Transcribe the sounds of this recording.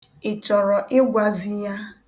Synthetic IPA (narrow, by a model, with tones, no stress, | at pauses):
ɪ˨t͡ʃɔ˨ɾɔ˨ʔɪ˦ɡʷa˨zi˦ja˦